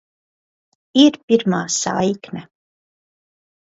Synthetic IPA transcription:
iɾpʲiɾmaːsa̰jknɛ

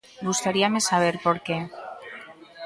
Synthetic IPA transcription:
ɡust̪aɾiame̞saβ̞e̞ɾpo̞ɾke

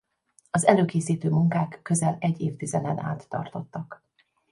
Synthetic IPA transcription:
ɒzɛløːkeːsiːt̪øːmuŋkaːkːø̞zɛlɛɟːeːft̪izɛnɛna̰ːt̪ːɒ̰rt̪o̞t̪ːɒk

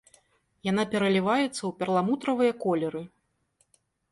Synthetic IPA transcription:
janapʲɛɾɐlʲivajɛt̪sːɐwpʲɛrlˠamut̪ɾɐvɨjɐkɔlʲɛɾɨ

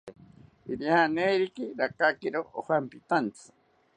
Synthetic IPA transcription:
iɾjanejɾikiɾakakeɾoʔohampit̪ant͡sʰɨ̥

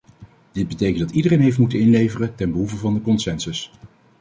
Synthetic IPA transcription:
d̥ɪd̚bətejkəndɑtidərejnɦejf̬tmutənɪnlejvərətɛnbəɦuvəvɑndəkɔnsɛnsəs

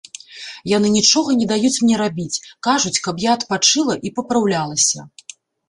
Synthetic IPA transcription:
janɨnʲit͡ʂɔɣɐnʲɛd̪ajut͡sʲmnʲɛɾabʲit͡sʲkaʐut͡sʲkɐpjaːt̪pat͡ʂɨlˠɐʔipɐpɾawlʲalˠɐsʲɐ̰

